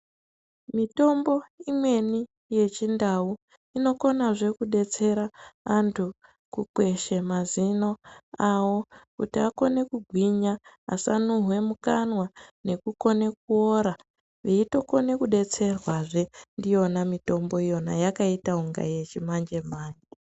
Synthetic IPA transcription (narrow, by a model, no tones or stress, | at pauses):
mito̞mbo̞imwe̞ni | je̞t͡ʃindau | ino̞ko̞naʐe̞kuɗe̞t͡se̞ɾaantʰu | kukwe̞ʃe̞mazino̞awo̞kutiako̞ne̞kuɡʱwiɲa̰ːsanuɦwe̞mukanwane̞kuko̞ne̞k̚uoɾa | ʋeito̞ko̞ne̞kuɗe̞t͡se̞rwaʐe̞ndijo̞namito̞mbo̞ijo̞na̰jakaitauŋɡa̰je̞t͡ʃimand͡ʒe̞maːɲe